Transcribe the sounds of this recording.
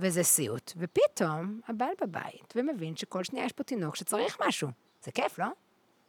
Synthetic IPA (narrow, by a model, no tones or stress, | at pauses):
vezɛsiutvepitʰo̞mabalbaba̰jitvemevinʃeko̞lʃnijajeʃpo̞tino̞kʃet͡saʁiχmaʃu | z̥ekeflo̞